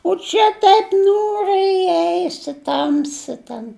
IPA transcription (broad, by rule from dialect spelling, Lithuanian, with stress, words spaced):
oː ˈt͡ʃʲɛ ˈtɐɪp ˈnʲuːrʲɛɪ ɪˈɛɪsʲɪ ˈtɐmʲsʲɪ tʲɛn